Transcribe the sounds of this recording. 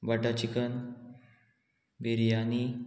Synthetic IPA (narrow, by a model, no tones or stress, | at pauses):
baʈat͡ɕikən | ʋiɾjani